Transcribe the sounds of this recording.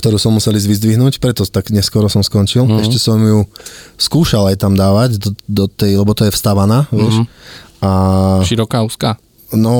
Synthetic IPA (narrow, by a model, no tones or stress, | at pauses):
k̚t̪ɔɾuːsɔmːusɛlizʋizd̪ʋiɦnuːcpɾɛt̪ɔt̪aɡɲɛskʊɔɾɔsɔmskɔnt͡ʃilɛʃcɛsɔmjuskuːʃalajt̪amd̪aːʋaɟd̪ɔd̪ɔt̪ɛjlɛbɔt̪ɔjɛfst̪aʋanaːʋɪɛʃʔaʃiɾɔkaːuːska | nɔ